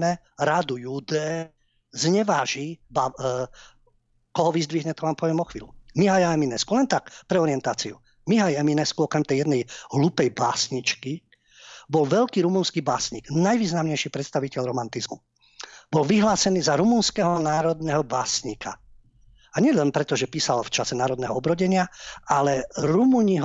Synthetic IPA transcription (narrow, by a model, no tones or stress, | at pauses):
mɛ | ɾad̪ujud̪ɛː | zɲɛʋaːʒiba | kɔɦɔʋizd̪ʋiɦɲɛt̪ɔʋaːmpɔʋɪɛmɔxʋḭːlṵmiɦajaɛminɛskulɛnt̪akpɾɛɔɾiɪɛnt̪aːt͡siṵ | miɦajɛminɛskuɔkɾɛmt̪ɛjɛd̪nɛjɦlupɛjbaːsɲit͡ʃki | bɔlʋɛʎkiːɾumunskiːbaːsɲiɡnajʋiːznamɲɛjʃipɾɛt̪st̪aʋicɛʎɾɔmant̪izmu | b̥ɔlʋiɦlaːsɛniːzaɾumunskɛɦɔnaːɾɔd̪nɛɦɔbaːsɲiːka̰ | aɲɪɛlɛnpɾɛt̪ɔʒɛpiːsalft͡ʃasɛnaːɾɔd̪nɛɦɔɔbɾɔɟɛɲɪaalɛɾumuːɲiɦ